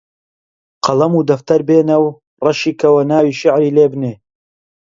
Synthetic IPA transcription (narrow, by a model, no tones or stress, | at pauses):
qʰɐlˠɐmuːd̪ɐft̪ɐɾbeːnɐw | rɐʃiːkʰɐwɐnaːwiːʃɪʕɾiːleːbneː